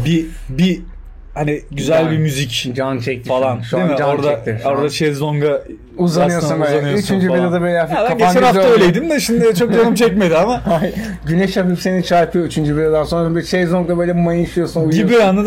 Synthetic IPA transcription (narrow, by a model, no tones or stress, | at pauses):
bibi | haniɟyzælʲbimyzicd͡ʒant͡ʃʰɛc̚t̪ʰifalˠanʃd̪imd͡ʒaoɾd̪aɛktt̪iɾ̥oɾd̪at͡ʃʰɛzoŋɡa | uzˠanɯsjoɾsunbøjlɛnɯyt͡ʃʰynd͡ʒyilad̪abøɛafad̪aaɟant͡ʃænnhafaøjlʲejd̪imd̪ɛʃind̪ɪt͡ʃʰo̞k̚d͡ʒanɯmt͡ʃʰɛcme̞d̪iamahaj | ɟynɛʃapipse̞nit͡ʃʰaɾpʰɯjoyt͡ʃʰynd͡ʒybilad̪ansonɾabt͡ʃʰɛzoŋɡabø̞jlʲɛmajinʃɯjosunujibiana